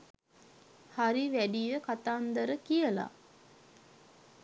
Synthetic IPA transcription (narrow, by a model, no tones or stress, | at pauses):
haɾiʋæɖijəkat̪aːnd̪əɾəkijəla̰